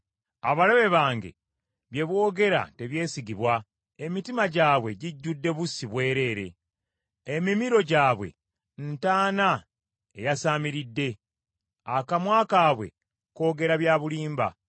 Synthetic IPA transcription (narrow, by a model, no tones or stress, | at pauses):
aβaleβe̞βaːŋɡe̞̰ | βje̞βwo̞ːɡe̞ɾa̰te̞βje̞ːsiɡiβwa | emitimaɟaːβwe̞ɟiɟːudːe̞βusiβwe̞ːɾe̞ːɾe̞̰ | emimiɾo̞ɟaːβwe̞̰ | ntaːna | ejasaːmiɾidːe̞ | akamwaːkaːβwe̞̰ | ko̞ːɡe̞ɾaβjaːβuliːmba̰